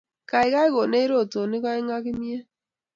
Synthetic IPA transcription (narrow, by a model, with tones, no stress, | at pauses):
ka˨ɪ˨ka˦ɪ˦ɣo˨ne˦i˦ɾo˦˨to˨nɪ˦kɔ˦ɪ˦ŋa˦kɪ˦mje˦